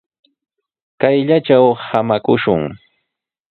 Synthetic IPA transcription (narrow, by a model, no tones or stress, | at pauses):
kajʎat͡ʃawhamakʊʃʊŋ